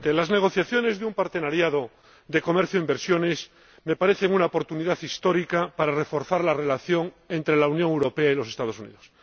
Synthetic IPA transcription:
t̪elazne̞ɣ̞o̞θjaθjo̞ne̞zðeumpaɾt̪e̞naɾjaðo̞ | ðe̞ko̞me̞ɾθjoimbeɾsjo̞ne̞s | me̞paɾe̞θeŋunaopo̞ɾt̪uniðaθist̪o̞ɾikapaɾare̞fo̞ɾθaɾlare̞laθjo̞ŋ | e̞nt̪ɾe̞launjoŋewɾo̞pe̞ailo̞se̞st̪að̞o̞sunḭðos

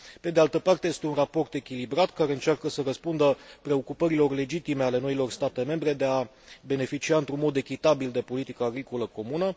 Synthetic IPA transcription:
pe̞d̪e̞alt̪əpart̪e̞jest̪e̞unrapo̞rt̪e̞kʲilibɾat̪kaɾe̞ɨnt͡ʃarkəsəɾəspund̪əpɾe̞o̞kupəɾilo̞rle̞d͡ʒit̪ime̞ale̞no̞ilo̞rst̪at̪e̞me̞mbɾe̞d̪e̞a | be̞ne̞fit͡ʃiaɨnt̪ɾunmo̞d̪e̞kʲit̪abild̪e̞po̞lit̪ikəaɡɾiko̞ləko̞munə

